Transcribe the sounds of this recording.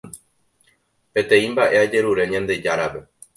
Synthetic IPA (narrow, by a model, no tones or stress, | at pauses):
pe̞t̪ẽ̞ĩmbaʔe̞ad͡ʒe̞ɾuɾe̞ɲãnd̪e̞d͡ʒaɾape̞